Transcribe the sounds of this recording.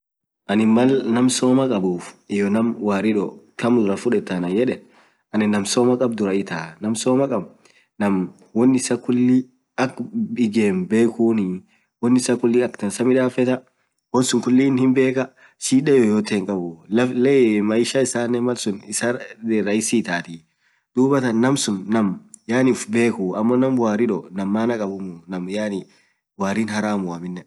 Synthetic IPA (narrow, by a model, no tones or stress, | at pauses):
ʔɐnɪmɐlnɐmsoːmɐkʼɐbuːfɪjɔnɐmwaːɾɪᶑɔtʰɐmd̪ʊɾɐfʊᶑɛt̪ːɐnɐjɛᶑɛ | ɐnɪnːɐmsoːmɐkʼɐb̚d̪ʊɾɐɪt̪aːnɐmsoːmɐkʼɐb | nɐm | wɔnːɪsɐkʊlːi | ɐkɪɡeːmbe̞ːkuːni | wɔnːɪsɐkʊlːɪɐkt̪ɐnsɐmɪᶑaːfɛt̪ɐ | wɔnsʊŋkʊlːiːnhɪmbe̞ːkɐ | ʃiːᶑɛjɔjoːt̪ːeːŋkʼɐbʊɐlemɐjɪʃɐɪsaːnːɛmɐlsʊnɪsɐderːɐɪsiːt̪aːt̪i | d̪̥uːbɐt̪ɐnːɐmsʊnːɐmjaːnɪʊfbe̞ːkʊɐmːɔnɐmwaːɾɪᶑɔnɐmːaːnɐkʼɐbʊmʊnɐmjaːni | waːɾiːnɦɐɾaːmʊɐmɪnːɛ